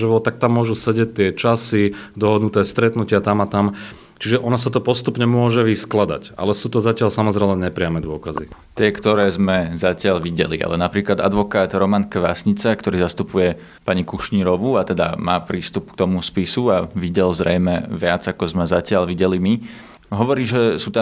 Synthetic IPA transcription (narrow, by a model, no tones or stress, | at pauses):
ʒɛʋɔt̪ak̚t̪amːʊɔʒusɛɟɛc̚t̪ːɪɛt͡ʃasid̪ɔɦɔd̪nut̪ɛːst̪ɾɛt̪nucɪat̪amat̪am | t͡ʃiʒɛʔɔnasat̪ɔpɔst̪upɲɛmʊɔʒɛʋisklad̪a̰ca̰lɛsuːt̪ɔzacɪalsamɔzɾɛlɛɲɛpɾɪamɛd̪ʊɔkazit̪ɪɛkt̪ɔɾɛːzmɛzacɪaʎʋiɟɛlḭʔa̰lɛnapɾiːklad̪a̰d̪ʋɔkaːd̪ɾɔmankɛʋasɲit͡sakt̪ɔɾiːzast̪upujɛ | paɲikuʃɲiːɾɔʋuat̪ɛd̪a̰maːpɾiːst̪up̚kt̪ɔmuspisuaʋiɟɛlzɾɛjmɛʋɪad͡zakɔzmɛzacɪaʎʋiɟɛlimi | ɦɔʋɔɾiːʒɛsuːt̪a